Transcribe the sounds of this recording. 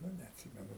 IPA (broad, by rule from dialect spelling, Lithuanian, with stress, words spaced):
ˈnʊ nʲɛɐtʲˈsʲɪmʲɛnʊ